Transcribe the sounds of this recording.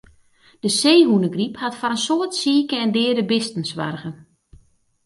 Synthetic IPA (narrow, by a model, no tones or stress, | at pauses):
d̥əseːɦunəɡriphatfaɾənsoːtsiːkəɛndɪːədəbɪstən̩sʋa̰rɣən